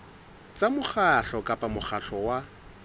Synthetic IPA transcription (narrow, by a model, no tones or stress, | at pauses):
t͡sʼamʊχaɬɔkʼapʼamʊχaɬɔwa